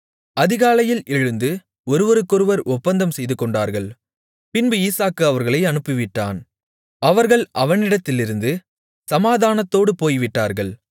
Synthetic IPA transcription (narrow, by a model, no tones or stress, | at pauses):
ɐðɪɣaːlɐjɪlʔɛɻɯnd̪ɯ | ɔɾɯʋɔɾɯkːʊɾɯʋɐɾʔɔpːɐnd̪ɐmsɛjðɯkːɔɳɖaːɾɣɐɭ | pɪnbɯiːsaːkːɯɐʋɐɾɣɐɭɐɪɐnɯpːɯʋɪʈːa̰ːn | ɐʋɐɾɣɐɭʔɐʋɐnɪɽɐt̪ːɪlɪɾɯnd̪ɯ | sɐmaːðaːnɐt̪ːoːɽɯpoːjʋɪʈːaːɾɣɐɭ